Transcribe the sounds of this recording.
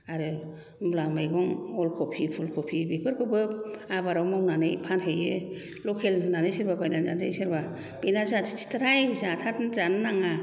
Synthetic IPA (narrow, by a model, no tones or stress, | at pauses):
aɾɯ | mlamɯjɡɔŋɔlkʰɔpʰipʰulkʰɔpʰibipʰɯɾkʰɯbɯpabaɾɔwmɔwnanɯjpʰanɦɯjɯ | lɔkʰelnanɯjseɾbabajnanza̰nza̰jsɯɾba | benazatʰi̥tʰi̥tʰaɾajɯzaːtʰatzanːaŋa